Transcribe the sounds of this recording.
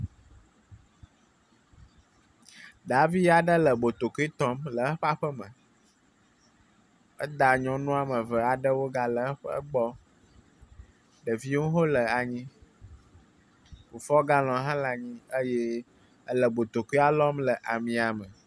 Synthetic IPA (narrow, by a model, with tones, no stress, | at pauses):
ɖa˨vi˦ja˨ɖə˦lə˨bo˨t̪o˨ku˦i˦t̪ɔ˦mlə˨˦ɸa˦ɸə˦mə̃˨ | ə˦d̪a˨ɲɔ̃˨nũ˦a˨mə̃˨və˨a˨ɖə˦wo˦ɡa˨lə˨˦ɸɡ͡bɔ˦ | ɖə˨vi˦wõ˦ɦo˦lə˨a˨ɲĩ˦ | fu˨fɔ˦ɡa˦lɔ̃˨ɦã˦la˨ɲĩ˦ə˦jɛ˦ | ə˦lə˨bo˨t̪o˨ku˦i˦a˦lɔ˦mlə˨ʔa˨mĩ˨a˨mə˨